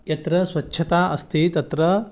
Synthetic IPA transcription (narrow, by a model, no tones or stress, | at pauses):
jɐt̪ɾɐswɐtːt͡ʃʰːɐt̪aːʔɐst̪ʰit̪ɐt̪ɾɐ